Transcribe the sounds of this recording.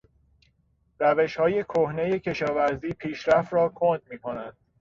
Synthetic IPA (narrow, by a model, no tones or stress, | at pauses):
ɾæve̞ʃhɒːje̞kʰohne̞je̞cʰe̞ʃɒːvæɾziːpʰiːʃɾæfɾɒːkʰond̪̥̚miːkʰonænd̪̥̚